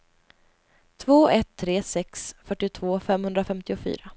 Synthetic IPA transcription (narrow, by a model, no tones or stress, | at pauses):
t̪ʰvoːʔɛt̪ʰːɾeːsɛksfœʈːɪt̪ʰvoːfɛmhɵnd̪ɾafɛmt̪ɪʊfy̰ːɾa